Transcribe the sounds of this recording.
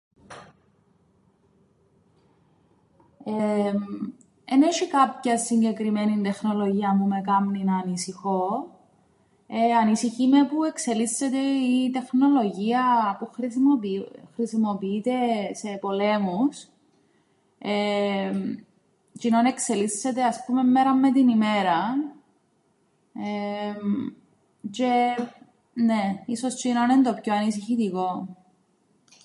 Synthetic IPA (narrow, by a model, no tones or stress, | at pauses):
em | eneʃikɐpçɐsːiɲɟe̞kɾimenind̪e̞xno̞lo̞ʝiɐmːume̞kɐmninɐnisixo | eɐnisiçimepue̞kse̞lisːet̪eit̪e̞xno̞lo̞ʝiɐpuxɾ | xɾisimo̞piit̪e̞se̞po̞le̞mus | e | t͡ʃinone̞kse̞liθset̪eɐspume̞mːeɾɐmːe̞t̪inime̞ɾɐ | em | t͡ʃe | neiso̞st͡ʃinonend̪opçoɐnisiçit̪iko